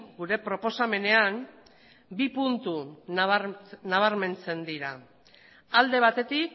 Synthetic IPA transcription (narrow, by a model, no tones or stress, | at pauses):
ɡuɾe̞pɾo̞po̞same̞ne̞an | bipunt̪u | naβ̞aɾme̞nt͡se̞nd̪iɾa | ald̪e̞β̞at̪e̞t̪ik